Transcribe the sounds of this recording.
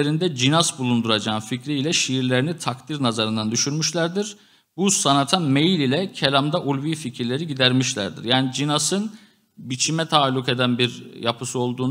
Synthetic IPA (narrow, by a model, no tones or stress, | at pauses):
eɾind̪ɛd͡ʒinazbulˠund̪uɾad͡ʒaːnficɾiilʲɛʃiːɾlʲe̞ɾinit̪ʰakt̪ʰiɾnazaɾɯnd̪and̪yʃyɾmyʃlʲæɾd̪iɾ̥ | busanat̪ʰamejilʲilʲɛcʰelʲamd̪aʔulʲviːficʰiɾlʲe̞ɾiɟid̪æɾmiʃlʲæ̰ɾd̪ḭɾjaːnid͡ʒinasɯn | bit͡ʃʰimɛt̪ʰaːlʲuke̞d̪ænbiɾjapʰɯsuo̞lˠd̪uːn